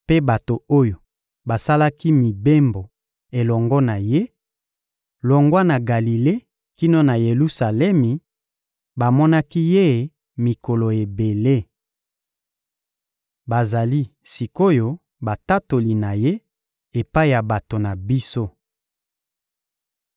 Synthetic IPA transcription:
pe˦ba˨to˨o˦jo˨ | ba˨sa˦la˦ki˦mi˨be˦mbo˨ | e˨lɔ˨ŋɡɔ˦na˨je˦ | lɔ˨ŋɡwa˦na˨ɡa˨li˨le˦ | ki˦no˦na˨je˨lu˦sa˨lɛ˦mi˨ | ba˨mɔ˦na˦ki˦je˦˨ | mi˨ko˨lo˨e˨be˨le˦˨ | ba˨za˨li˦ | si˨ko˦jo˦ | ba˨ta˦to˨li˨na˨je˦ | e˨pa˦i˦˨ja˨ba˨to˨na˨bi˦so˦

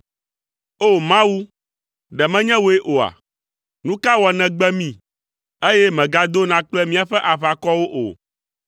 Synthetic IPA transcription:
o˦˨mã˦wu˦ | ɖɛ˨mɛ̃˦ɲɛ̃˦wo˦e˦ʔo˨a̰˨ | nũ˦ka˦wɔ˨nɛ̃˨ɡ͡bɛ˦mĩ˦˨ | e˦jɛ˦mɛ̃˨ɡa˨d̪o˦nã˨˦k͡plɛ˦mĩ˦a˨ɸɛ˦ʔa˨βa˨kɔ˦wo˦ʔo̰˨

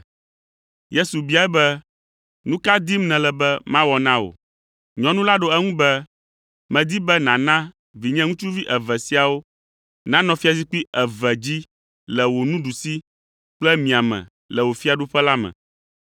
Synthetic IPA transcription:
je˦su˨bi˦a˨ɛ˦bɛ˦ | nũ˦ka˦d̪i˦mnɛ̃˨lɛ˨bɛ˦mã˦wɔ˨nã˦o̰˨ | ɲɔ̃˨nũ˦la˦ɖo˨ɛ˦ŋũ˦bɛ˦ | mɛ̃˨d̪i˦bɛ˦nã˨nã˦ | vi˨ɲɛ̃˦ŋũ˦t͡ʃu˦vi˦ʔɛ˨vɛ˨si˦a˨wo˦ | nã˦nɔ̃˨fi˦a˨si˦k͡pi˦ɛ˨vɛ˨d͡ʑi˦ | lɛ˨wo˨nũ˦ɖu˨si˦ | k͡plɛ˦mĩ˨a˨mɛ̰̃˨ | lɛ˨wo˨fi˦a˨ɖu˦ɸɛ˦la˦mɛ̰̃˨

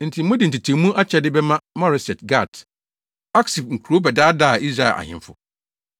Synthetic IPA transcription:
n̩˨tʰĩ˨mũ˦dɪ˨n̩˨tʰi˨tʰĩ˨˦mũ˦ʔa˦t͡ɕʰɛ˦dɪ˦bɛ˦mã˦mɔ˦ɾɪ˨sɛ˨tɡa˦˨t | a˦ksi˨b̚ŋ̩˨kʰu˨ɾo˦bɛ˨daː˦da˦˨i˦s̬ɾa˦ɛ˨ʔa̰˨hɪ̰̃˦m˦fʊ̰˨

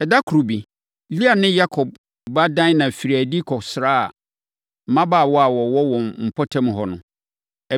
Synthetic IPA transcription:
ɛ˨da˦kʰɾo˨bi˨ | li˦a˨nɪ̃˦ja˦kʰɔ˨b̚ | ba˦dã˦n˦nã˨fi˨ɾi˨æ˨di˦kʰɔ˨sɾaː˦a̰˨ | mã˦ba˨wɔ˦a˨wɔ˨wɔ˦wɔ̃˨mm̩˨pʰɔ˦tʰã˦m˨ɦɔ˨nʊ̃˨ | ɛ˨

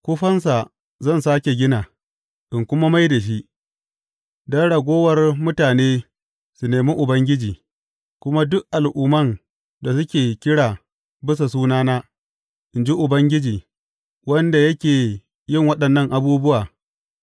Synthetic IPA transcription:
kʷʊ˦ɸɐ˦ns̬a˨ | zɐ˦˨nsaː˦kʲe˨ɡʲɪ˦naː˨ | ʔɪ˨ŋkʷʊ˦ma˦ma˦jda˨ʃ̬i˦ʔ | dɐ˦ɽɐ˨ɡʷoː˦wɐ˦˨rmʊ˦taː˨neː˦ | su˨neː˨mi˦ʔʊ˨bɐ˦ŋɡʲɪ˦d͡ʒiː˨ | kʷʊ˦ma˦dʊ˦kʔa˨lʔʊː˨mɐ˦˨n | da˨s̬ʊ˦kʲeː˨kʲɪ˦ɽaː˨ | bɪ˦s̬a˨suː˦naː˦naː˦ | ʔɪ˨nd͡ʒi˦ʔʊ˨bɐ˦ŋɡʲɪ˦d͡ʒiː˨ | wɐ˦nda˨jɐ˦kʲeː˨ | jɪ˦˨ŋwɐ˦ɗɐ˨nːɐ˦˨ŋʔa˨buː˦bʊ˦waː˨

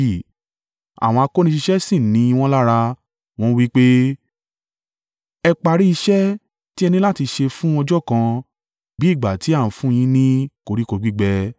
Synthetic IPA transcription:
a̰˨w̃ɔ̃˧a˧ko˦nĩ˧ʃi˧ʃɛ˦sĩ˦˨nĩ˨˦i˧w̃ɔ̃˦la˦ɾa˧ | w̃ɔ̃˦˧wi˦k͡pe˦ | ɛ˧k͡pa˧ɾi˦i˧ʃɛ˦ | ti˦ɛ˧nĩ˧˦la˦ti˧ʃe˧fũ˦ɔ̃˧d͡ʒɔ˦˨kã˧ | bi˨˦i˦˨ɡ͡ba˨ti˨˦a˦˨n̩˨fũ˦j̃ĩ˧˦nĩ˦ko˧ɾi˦ko˨˧ɡ͡bi˦ɡ͡bɛ˧˦

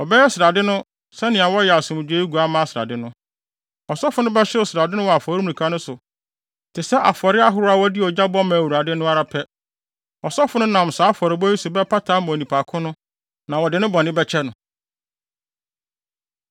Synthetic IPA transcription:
ɔ˨bɛ˦jɛ˦sɪɾa˨dɪ˦nʊ̃˦ | sɛ˦nɪ̃˨a˨wɔ˦jɛ˨a˨sʊ̃˨mᶣ˨˦e˦i˦ɡu˨a˦mã˦a˦sɪ˨ɾa̰˨dɪ˦nʊ̃˦ | ɔ˨sɔ˦fʊ˦nʊ̃˦bɛ˦ɕɪ˦ʊ˨sɪɾa˨dɪ˦nʊ̃˦wɔ˨a˨fɔ˨ɾi˦mũ˨ĩ˨kʰa˦nʊ̃˦sʊ˨ | tʰɪ˨sɛ˦ʔa˨fɔ˨ɾɪ˦a˦ɦʊ˦ɾʊ˦a˨wɔ˦dɪ˦ɔ˨d͡ʑa˦bɔ˦mã˨wu˨ɾa˨dɪ˦nʊ̃˦a˦ɾa˨pʰɛ˦ | ɔ˨sɔ˦fʊ˦nʊ̃˦nã˨m˨saː˨˦fɔ˨ɾɪ˨˦bɔ˦i˦sʊ˨bɛ˦pʰa˦tʰaː˨˦mʊ̃˨nĩ˨pʰa˨kʰʊ̃˦nʊ̃˦ | nã˨wɔ˨dɪ˨˦nʊ̃˦bɔ˨nɪ̃˦bɛ˦t͡ɕʰɛ˦nʊ̃˨

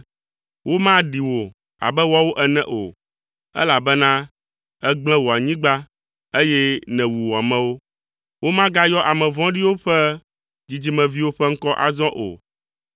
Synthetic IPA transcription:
wʔo˦mã˦ɖi˨wo˨ | a̰˨bɛ˦wa˦wo˦ʔɛ˨nɛ̰̃˦ʔo̰˨ | ɛ̰˦la˨bɛ˦nã˦ | ɛ˦ɡ͡blɛ̃˦wo˨a˨ɲĩ˦ɡ͡ba˦ | e˦jɛ˦nɛ̃˨wu˨wo˨a˨mɛ̃˦wo˦ | wo˦mã˦ɡa˦jɔ˦ʔa˨mɛ̃˨vɔ̃˦ɖi˦wo˦ɸɛ˦ | d͡ʑi˨d͡ʑi˦mɛ̃˨vi˦wo˦ɸɛ˦ŋ̩˦kɔ˦ʔa̰˨zɔ̃˦ʔo̰˨

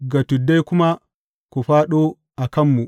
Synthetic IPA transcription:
ɡa˨tu˨dːa˦jkʊ˦ma˦ | ku˨ɸaː˦ɗo˦ | ʔa˨kɐ˦mːu˨

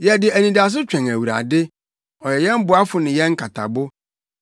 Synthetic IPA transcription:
jɛ˨dɪ˨æ˨nĩ˨da˨s̬ʊ˦t͡ɕᶣɛ̃˨ŋæ˨wu˨ɾa̰˨dɪ˦ | ɔ˨jɛ˨jɛ̃˦m̩˦bʊ˨a˦fʊ˨nɪ̃˨jɛ̃˦ŋ̩˦kʰa˨tʰa̰˨bʊ˦

